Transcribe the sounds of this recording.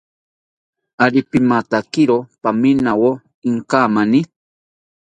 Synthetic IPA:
alɪpɪmat̪akɪɾopaminawo | ɪŋkaːmanɪ

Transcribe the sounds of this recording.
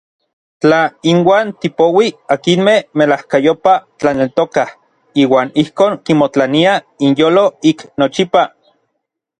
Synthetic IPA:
t͡ɬainwaːnt̪ipowiakinmehmelahkajopat͡ɬanelt̪okah | iːwaːnihkoːŋkimot͡ɬania | injoːloiknot͡ʃipa

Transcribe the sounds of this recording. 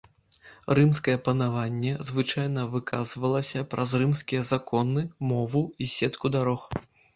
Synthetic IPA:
rɨmskɐjɛpɐnavanʲːɛzvɨt͡ʂajnɐvɨkʰazvɐlˠɐsʲɐpɾʔɐzrɨmskʲijɐzakɔnɨmɔvɨisʲɛt̪kud̪aɾɔx

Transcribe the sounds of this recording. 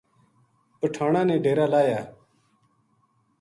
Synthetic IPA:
ʊʈʰaːɳaːnẽːɖʱeːɾaːlaːjaː

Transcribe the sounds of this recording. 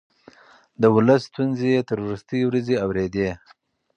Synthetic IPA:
d̪əwʊləst̪unzejet̪aɾoɾɪst̪ijwɾazeawɾed̪e

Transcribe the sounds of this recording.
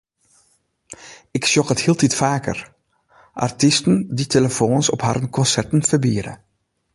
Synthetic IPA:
ɪksjɔkəthiːlˠtitfaːkə̰r | ʔa̰rtɪstənditeləfoːnsɔpɦaːɾənkɔnsɛɹtənvərbiːɾə̰

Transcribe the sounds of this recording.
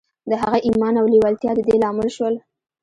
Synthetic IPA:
d̪əɦaɣaʔimɑnawliwalt̪jɑd̪əd̪elɑmɪlʃwəl

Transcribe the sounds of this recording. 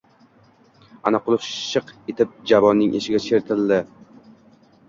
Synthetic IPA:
anaqʊlˠɨχʃɨqet̪ʰɪp̚d͡ʒavɒnːɪŋʔeʃɪɡʲat͡ʃʰe̞ɾt̪ʰɪld̪ɪ

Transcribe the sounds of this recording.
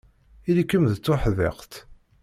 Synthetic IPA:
ilikːəmðt͡sːʊħðɪ̰qt̪

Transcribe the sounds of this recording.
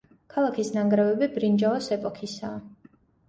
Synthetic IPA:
kʰalˠakʰisnaŋɡɾɛvɛbibɾind͡ʒaɔsɛpʼɔkʰisaː

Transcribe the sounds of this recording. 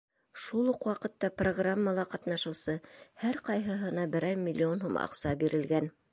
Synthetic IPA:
ʃulˠuqwɑqɤ̆t̪ːɑproɡramːəlˠɑqɑt̪nɑʃɤ̆wsɤhæɾqɑjɦɤ̆ɦɤ̆nɑbɘ̆ɾæjmʲɪlʲːio̞nɦumʔɑ̰qsɑbiɾɘ̆lɡæn

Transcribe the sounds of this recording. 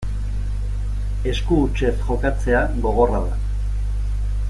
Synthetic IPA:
e̞skuːt͡ʃe̞sʝo̞kat͡se̞aɣo̞ɣ̞o̞raða̰

